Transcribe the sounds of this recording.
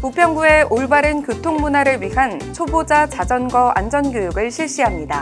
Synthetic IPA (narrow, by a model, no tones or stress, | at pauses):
puk̚pʰjʌŋbue̞ʔoɭbaɾɯnkjotʰoŋmunaɾɯɭɥiɦant͡ɕʰobod͡ʑat͡ɕad͡ʑʌnɡwʌʔa̰nd͡ʑʌnɡjojuɡɯɭɕʰiɭɕ͈iɦamɲida